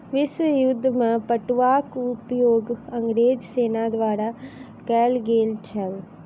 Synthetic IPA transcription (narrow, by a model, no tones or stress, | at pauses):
ʋɪsjʊd̪ːmãːpəʈʋaːkʊpjoːɡəŋɡɾeːd͡ʒseːnaːd̪oaːɾaː | kɛːlɡeːlʈʰɛl